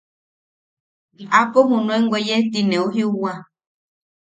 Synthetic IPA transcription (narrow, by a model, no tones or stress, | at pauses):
akɔɦunwɛŋɡwɛjɛtinɛuhiuwa